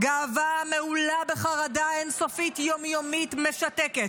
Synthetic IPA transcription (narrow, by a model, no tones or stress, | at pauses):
ɡaːvameulabeχaʁadaenso̞fitjo̞mjomitme̞ʃateket